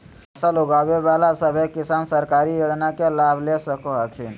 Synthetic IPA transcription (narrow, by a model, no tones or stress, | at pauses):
əsəluɡabebalasəbʱekisansəɾkaɾijod͡ʒnakelabʱlesəkoɦəkʰin